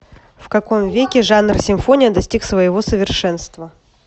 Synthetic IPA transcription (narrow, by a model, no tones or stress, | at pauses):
fkɐko̞mvʲekʲɪʐanrsʲɪɱfo̞nʲɪjəd̪ɐsʲtʲiksvəjɪvo̞səvʲɪrʂɛnst̪və